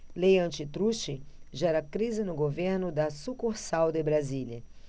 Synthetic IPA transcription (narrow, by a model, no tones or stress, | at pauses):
lejɐ̃nt͡ʃɪt̪ɾuʃɪʒɛɾɐkɾizɪnʊɡoveɾnʊd̪ɐsukoɾsawd̪ɪbɾazilʲɐ